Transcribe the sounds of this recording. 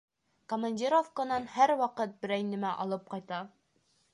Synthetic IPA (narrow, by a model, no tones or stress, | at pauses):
komɐnʲdʲiɾofkənɑnhæɾwɒqɤt̪̚bɘ̆ɾæjnɘ̆mæʔɒ̰lˠɤp̚qɒjt̪ɑ